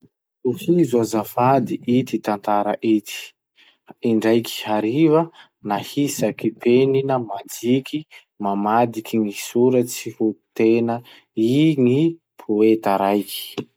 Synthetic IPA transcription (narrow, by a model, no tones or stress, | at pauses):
uhizuazafad̪iʔit̪it̪ant̪aɾə̰ʔit̪i̥ | iɳɖ͡ʐajki̥haɾivə | nahisakipeninəmad͡ziki | mamad̪ikiŋisuɾət͡sihut̪enə | iŋi | pʰuet̪aɾajki̥